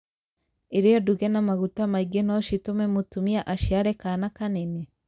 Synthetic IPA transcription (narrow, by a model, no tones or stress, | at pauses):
eɾijoduɣenamaɣutamaiɡenoʃitomemutumiaʔaʃiaɾekanakanene